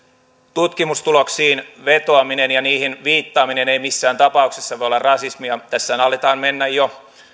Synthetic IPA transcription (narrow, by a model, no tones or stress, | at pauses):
t̪ut̪kimust̪uloksiːnʋet̪oɑminenjɑniːhinʋiːt̪ːɑːmineneimisːæːnt̪ɑpɑuksesːɑʋojolɑrɑsismiɑt̪æsːæːnɑlːet̪ɑːnmenːæjjo